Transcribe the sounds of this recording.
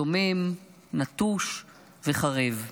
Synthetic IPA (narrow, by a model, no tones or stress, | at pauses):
omem | nat̪uʃ | veχaʁev